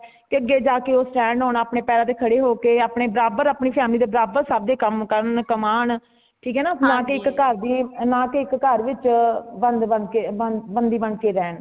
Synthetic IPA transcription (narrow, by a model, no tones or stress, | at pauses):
kɪəɡːeːd͡ʒaːkeːoːsʈɛ̃ːɳɖɦoːnaːpɳeːpɛːɾãːt̪eːkʰəɽeːɦoːkeːaːpɳeːbəɾaːbəɾaːpɳiːpʰɛːmliːd̪eːbəɾaːbəɾsabd̪eːkəmkəɾəɳkəmaːɳ | ʈʰiːkɦɛːnaːnãːkeɪkːəɾd̪iːnãːkeɪkːəɾʋɪt͡ʃbənd̪bənkeːbənbənd̪iːbəɳkeːɾɛːn